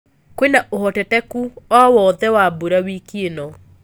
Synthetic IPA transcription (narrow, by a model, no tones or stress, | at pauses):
kwenaʔohɔtɛtɛkuɔwɔðɛwabuɾawikienɔ